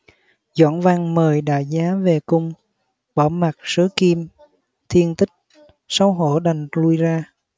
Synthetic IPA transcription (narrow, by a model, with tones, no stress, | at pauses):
zɔ̰˧˩nva˧ŋməː˨˩jɗa̰ː˧˨˩zaː˨˦ve˨˩kʊ˧ŋ͡m | ɓɔ˧˩ma˨˩t̚sɨ˨˦ki˧m | t̪ʰi˧ənt̪ï˦˥k̟̚ | sa˧˦wɦo̰˧˩ɗa˨˩jŋlu˧əjzaː˧